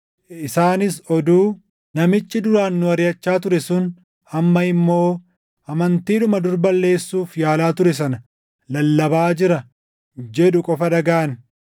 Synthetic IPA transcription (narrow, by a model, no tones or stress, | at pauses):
ʔɪsaːnɪsɔd̪uː | nɐmɪt͡ʃʼːɪd̪ʊɾaːnːʊɐɾjɐt͡ʃːaːt̪̬ʊɾɛsʊn | ɐmːɐɪmːo̞ː | ʔɐmɐnt̪iːᶑʊmɐd̪ʊɾbɐlːe̞ːsːuːfjaːlaːt̪ʊɾɛs̬ɐnɐ | lɐlːɐbaːd͡ʒɪɾɐ | d͡ʒɛᶑʊkʼɔfɐᶑɐɡaːɐn